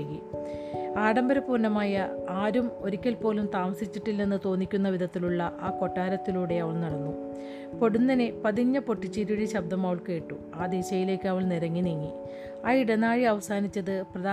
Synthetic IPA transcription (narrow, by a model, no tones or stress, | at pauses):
ɣi | aːɽɐmbɐɾɐpuːɾnɐmaːjɐaːɾumo̞ɾikʲːɐlpo̞ːlumt̪aːmɐsit͡ɕːiʈːilnenːɨt̪o̞ːnːikʲːunːɐʋid̪ʱɐt̪ːiluɭːɐʔaːko̞ʈːaːɾɐt̪ːiluːɽe̞ɐʋɐɭnɐɽɐnːu | po̞ɽunːɐnepɐðiɲːɐpo̞ʈːit͡ɕːiɾuɽiɕɐb̚d̪ɐmaːʋɐɭke̞ːʈːu | aːd̪eːɕɐjile̞ːkʲːɐʋɐɭniɾɐŋːiniŋːi | aːiɽɐnaːɻiɐʋɐsaːnit͡ɕːɐðɨprɐðaː